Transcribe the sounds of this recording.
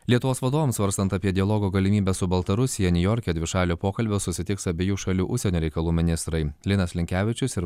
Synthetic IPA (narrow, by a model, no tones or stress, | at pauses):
lʲiɛt̪ʊʋoːsʋɐd̪oːʋomsʋɐɾst̪ɐnt̪ɐpʲiɛd̪ʲɪɐlˠɔːɡoːɡɐlʲɪmʲiːbʲɛsʊbɐlˠt̪ɐɾʊsʲɪjɛnʲɪjɔːɾʲkʲɛd̪ʲʋʲɪʃɑːlʲoːpoːkɐlʲbʲoːsʊsʲɪt̪ʲɪksɐbʲeːjuːʃɐlʲuːʔʊʃʲsʲɛnʲoːɾʲɛɪkɐlˠuːmʲɪnʲɪst̪ɾɐɪlʲɪnɐslʲɪŋʲkʲæːʋʲɪt͡ʃʲʊsɪɾ